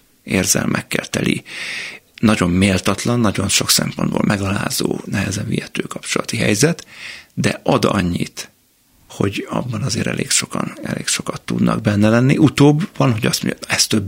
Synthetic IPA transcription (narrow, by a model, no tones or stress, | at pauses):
eːrzɛ̰lmʔɛkːɛlt̪ɛlʔḭ | nɒɟo̞mːeːlt̪ɒt̪lɒnːɒɟo̞nʃo̞ksɛmpond̪bo̰ːlmʔɛɡɒlaːzoːnɛɦɛzɛɱvijɛt̪øːkɒpt͡ʃolɒt̪iɦɛjzɛt̪d̪ɛʔɒd̪ɒɲːit̪ | ho̞ɟɒ̰bːɒnɒzeːɾɛ̰lʔeːkʃo̞kɒnɛleːkʃo̞kɒt̪ːud̪nɒ̰ɡ̚bɛnːɛlɛnːiʔut̪oːbːɒnɦo̞ɟɒst̪uɲɛst̪øb